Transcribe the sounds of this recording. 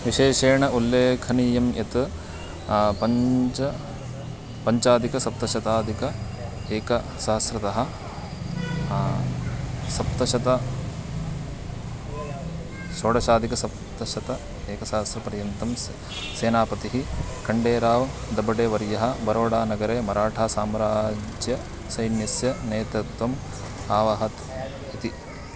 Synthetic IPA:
ʋiʃeːʃeːɳɐulːeːkʰɐnijɐmjɐ̰t̪ | pɐt͡ʃɐ | pɐɲt͡ʃaːd̪ikɐsɐp̚t̪ɐʃɐt̪aːd̪ʱikɐ | eːkɐ | sɐɦɐsɾɐt̪ɐɦɐ̆ | sɐp̚t̪ɐʃɐt̪ɐ | ʃoːɽɐʃaːd̪ikɐsɐp̚ | t̪ɐʃɐt̪ɐ | eːkɐsɐɦɐsɾɐpɐɾjɐnt̪ɐm | seːnaːpɐt̪iɦikɐɳɖeːɾaːʋd̪ɐbɐɖeːʋɐɾjɐɦɐ̆bɐɾoːɽaːnɐɡɐɾeːmɐɾaːʈʰaːsaːmɾaːd͡ʒjɐ | sɐjnjɐsjɐneːt̪ɐt̪ʋɐm | aːʋɐɦɐt̪ | it̪i

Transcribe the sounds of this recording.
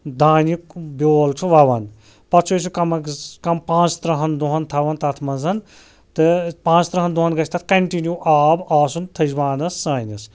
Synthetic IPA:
d̪ʱaːnjikbʲjoːlt͡ʃʰuʋɐʋɐn | pɐt͡ʃʰut͡ʃʰukɐmɐkkɐmpãːt͡sʰt̪ɾɐɦɐnd̪uɦɐnt̪ʰɐʋɐnt̪ɐt̪ʰmɐnzɐn | t̪ɨpãːt͡sʰt̪ɾɐɦɐnd̪uɦɐnɡɐt͡ʃʰt̪ɐt̪ʰkɐɳʈinjuʔaːbaːsunt̪ʰɐd͡ʒʋaːnɐsːaːjnɐs

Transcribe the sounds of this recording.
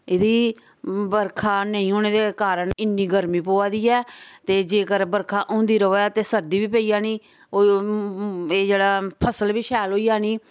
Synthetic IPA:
ɪd̪iː | bəɾkʰaːnəĩːɦoːneːd̪eːkaːɾəɳɪnːiːɡəɾmĩːpoːaːd̪iːɛːt̪eːd͡ʒeːkəɾbəɾkʰaːʔõːnd̪iːɾəoːaːt̪eːsəɾd̪iːʋiːpəiːjaːniː | oː | eːd͡ʒeːɽaːpʰəsəlbiːʃɛːlɦoːiːjaːniː

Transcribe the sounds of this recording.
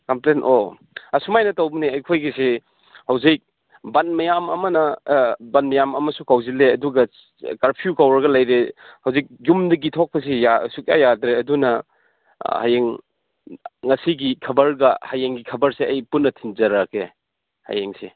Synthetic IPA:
kɐmplento | ɐsumajnɐtawbneɐjkʰojɡise | hɐwzik̚ | banmɐjamɐ̰mɐnɐbanmɐjamɐmɐsukawzileɐduɡɐ | kaɾpʰijukawɾɐɡɐlɐjɾehɐwzik̚ɡumdɐɡitʰɔk̚pʰɐs̬ijasuk̚ja̰jadɾeɐdunɐ | ha̰jeŋ | ŋɐsiɡikʰɐbɐɾɡɐhajeŋɡikʰɐbɐɾseɐjpunːɐtʰinzɐɾakʰe | ha̰jeŋse

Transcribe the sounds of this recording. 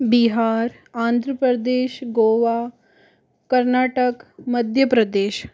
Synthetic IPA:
biɦaːɾ | ãːnd̪ʱɾəpɾəd̪eːʃɡoʋa | kəɾnaːʈəkməd̪ʱjəpɾəd̪eːʃ

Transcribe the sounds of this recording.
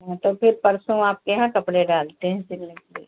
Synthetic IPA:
ɦɛ̃t̪opʰɪɾpɐɾsõaːp̚keɦãkɐpɽeɖaːlt̪eɦɛ̃sɪlːə̃kiː

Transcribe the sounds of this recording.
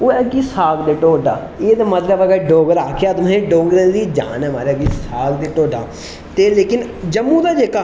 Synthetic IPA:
oːɛɡiːsaːɡd̪eːʈoːɖa̰ːeːd̪amət̪ləbɛɡaɖoːɡəɾaːkʰeəd̪mẽːɖoːɡɾẽːd̪iːd͡ʒa̰ːnɛːmaːɾɛɡiːsaːɡd̪eːʈoːɖaː | t̪eːleːkɪnd͡ʒəmːũːd̪aːd͡ʒeːkaː

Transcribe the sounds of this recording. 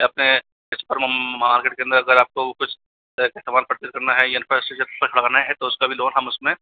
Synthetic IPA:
ɐpne | kɪsupəɾmmaːɾkeːʈkeɐ̃nd̪əɾɐɡəɾaːp̚kokʊt͡ʃʰ | kɐɦt̪əmaːlpɾɐt̪iːɾkɐɾnaɦɛjeɐnfasʈet͡ʃəɾpɐkʰɐɽɐɡaːnaɦɛt̪oʊskabʱiloːnɦɐmʊsmẽ

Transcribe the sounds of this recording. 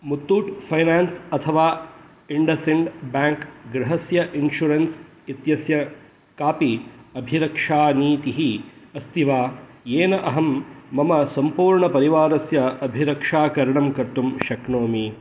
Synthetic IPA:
mut̪ːuːʈpʰɐjnaːnsɐt̪ʰɐʋaː | iɳɖɐsiɳɖbaːŋkɡɾɐɦɐsjɐʔinʃuɾens | it̪jɐsjɐ | kaːpiɐbʱiɾɐkʂaːniːt̪iɦiɐst̪ʰiʋaː | jeːnɐʔɐɦɐmːɐmɐsɐmpuːɾɳɐpɐɾiʋaːɾɐsjɐɐbʱiɾɐkʂaːkɐɾɐɳɐmkɐɾt̪umʃɐkɳoːmi

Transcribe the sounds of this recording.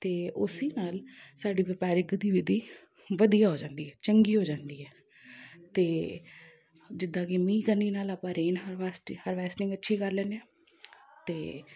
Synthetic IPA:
t̪eːʊsiːnaːlsaːɖiːʋɪpaːɾɪɡd̪iːʋɪd̪iː | ʋəd̪ijaːɦoːd͡ʒãːnd̪iːɦɛːt͡ʃəŋɡiːɦoːd͡ʒãːnd̪iːɦɛː | t̪eː | d͡ʒɪd̪ãːkemĩːkənːiːnaːlaːpãːɾeːnɦəɾaːsʈhəɾʋɛːsʈɪ̃ŋɡətːʃʰiːkəɾlɛːnɛ̃ː | t̪eː

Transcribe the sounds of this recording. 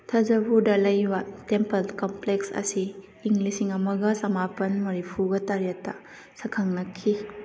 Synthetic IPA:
tʰɐd͡ʒɐbuɾdɐlɐjbɐtempɐlkompleksɐ̰siː | ŋɡlisiŋɐmɐɡɐsɐmapɐnmɐɾipʰuɡɐtɐɾɐtːɐ | sɐkʰɐŋnɐkʰːi

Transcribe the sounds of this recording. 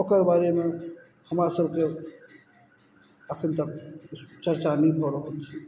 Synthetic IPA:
okəɾbaɾeme | həmɾasəbʱke | əkʰənt̪əkt͡ʃəɾt͡ʃanɛpʰəɾəɦolt͡ʃʰi

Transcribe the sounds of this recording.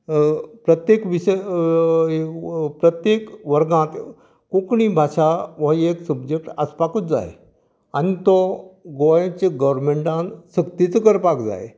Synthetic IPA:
pɾət̪jekʋiɕə | pɾət̪jekʋəɾɡãt̪ | kõkɳibʱaɕaʋəeksəbd͡ʑek̚ʈəspakut̪d͡za̰j | anit̪ɔɡojẽt͡ɕeɡəʋɾmeɳʈãnsəkt̪it͡səkəɾpakd͡za̰j

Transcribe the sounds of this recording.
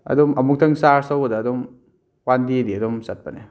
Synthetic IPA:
ɐ̰dɔmɐmuk̚tʰɐŋsaɾsawɐdɐːdɔm | wandiediɐdɔmsat̚pane

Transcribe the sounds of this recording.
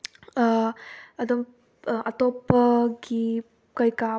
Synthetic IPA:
ɐdɐm | ʔat̪opɐɡi | kajka

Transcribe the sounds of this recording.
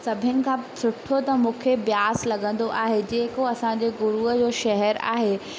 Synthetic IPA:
sɐbʱɪnɪ̆kʰãːsʊʈʰot̪ɐmũːkʰebjaːslɐɡə̃nd̪oʔaːɦed͡ʑẽːkoɐsãɲd͡ʑeɡʊɾuəd͡ʑoːʃɐɦɛɾa̰ːɦeː

